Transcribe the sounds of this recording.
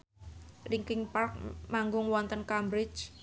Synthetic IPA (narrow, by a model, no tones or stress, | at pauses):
riŋkɪŋpark̚maŋɡʊŋwɔnt̪ənkambɾɪt͡ʃ